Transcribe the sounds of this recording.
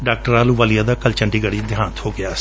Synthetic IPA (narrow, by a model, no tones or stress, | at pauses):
ɖaːk̚ʈəɾaːlũːʋaːlijaːd̪aːkəlt͡ʃəɳɖiːɡəɽiːd̪ʱjaːnt̪hoːɡɪaː